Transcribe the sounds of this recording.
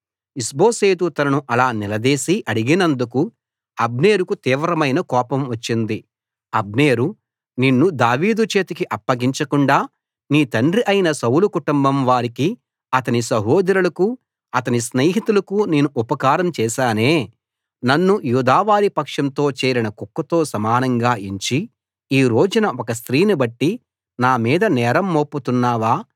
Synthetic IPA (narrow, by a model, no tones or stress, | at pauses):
isbo̞ːseːt̪ut̪ɐnɐnuʔɐlaːnilɐd̪eːsiʔɐɽiɡinɐnd̪uku | ɐbne̞ːɾukut̪iːʋɾɐmɐjnɐkɔːpɐmʋɐt͡ʃːind̪i | ɐbneːɾu | ninːud̪aːʋiːd̪ut͡ʃe̞ːt̪ikiʔɐpːɐɡiɲt͡ʃɐkuɳɖaː | niːt̪ɐɳɖriʔɐjnɐsɐwulukuʈumbɐmʋaːɾiki | ɐt̪ɐnisɐɦoːd̪ɾulɐku | ɐt̪ɐnisneːɦit̪ulɐkuneːnuʔupɐkaːɾɐmt͡ʃɛːsaːneː | nɐnːujuːd̪aːʋaːɾipɐkʂɐnt̪o̞ːt͡ʃɛːɾinɐkukːɐt̪o̞ːsɐmaːnɐŋɡaːiɲt͡ʃi | iːɾo̞ːd͡ʒunɐɔkɐst̪ɾiːnibɐʈːi | naːmiːd̪ɐnɛːɾɐmːoːpːut̪unːaːʋaː